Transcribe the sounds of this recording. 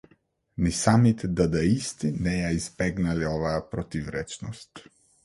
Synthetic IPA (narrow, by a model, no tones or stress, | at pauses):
nisamit̪ʰɛd̪ad̪aist̪inɛjaizbɛɡnaliɔvaːpɾɔt̪ivɾɛt͡ʃnɔst̪